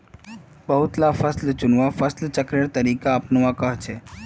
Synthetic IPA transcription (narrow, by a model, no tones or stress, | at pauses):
bəɦʊt̪lafəslt͡ʃʊnʋafəslt͡ʃəkɾeɽt̪əɾiːkaəpnəʋakəɦt͡ʃʰe